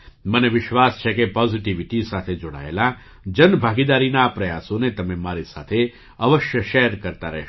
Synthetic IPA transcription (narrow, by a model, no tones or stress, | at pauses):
məneʋɪʃʋast͡ʃʰekepɔziʈiʋiʈisat̪ʰed͡ʒoɽa̰ḛla | d͡ʒənbʱaɡid̪aɾinaːpɾəjasonet̪əmemaɾisa̰t̪ʰe | əʋəʃjəʃɛɦɾkəɾt̪aɾɛ̰ɦʃ